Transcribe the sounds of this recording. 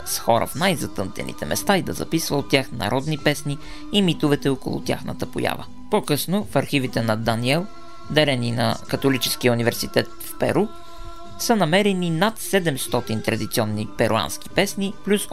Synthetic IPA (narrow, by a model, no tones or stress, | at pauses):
sxɔɾə̰fnajzɐt̪ɤnt̪ɛ̰nḭt̪ɛmɛst̪aid̪ɐ̰zɐ̰pisvəot̪ʲːjaxnɐ̰ɾʔɔd̪nipɛsniː | mit̪ʊvɛt̪ɛoko̰lˠʊ̰t̪ʲja̰xnə̰t̪əpʊ̰ja̰və̰ | pokɤsnofɐɾxivit̪ɛnɐd̪aniɛlˠ | d̪ɛɾɛninɐ̰kɐt̪olit͡ʃɛ̥skiəunivɛɾsit̪ɛt̪fpɛ̰ɾu | sənɐmɛɾɛninat̪sɛd̪ɛmst̪ɔt̪int̪ɾɐd̪it̪siɔnːipɛɾua̰nsk̟i̥pɛsniplʲus